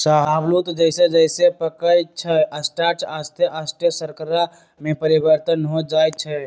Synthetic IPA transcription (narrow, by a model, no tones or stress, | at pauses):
saɦablut̪d͡ʒəɪsed͡ʒəɪsepəkəjt͡ʃʰəəsʈaʈast̪ʰeʔast̪ʰəsəɾkəɾa | mẽpəɾibəɾt̪ənɦod͡ʒaj̪t͡ʃʰə